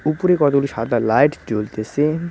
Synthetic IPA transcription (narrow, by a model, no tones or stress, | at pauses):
upoɾekɔt̪okuloʃad̪ʱalajʈd͡ʑolt̪ese